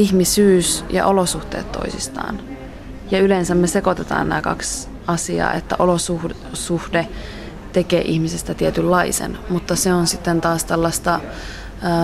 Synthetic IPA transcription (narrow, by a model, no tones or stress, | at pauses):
içmisyːsjɑ̰ʔolosuht̪ḛːt̪tːo̰isist̪ɑ̰ːn | jɑylensæmːese̞ko̞t̪et̪ɑ̰ːnnæːkɑ̰ks | ɑsiɑ̰ːet̪ːæʔolosuh | suhde | t̪ekḛːʔihmisest̪æt̪iet̪ylːɑisḛnmut̪ːɑseonsit̪ːent̪ɑːst̪elːɑst̪ɑ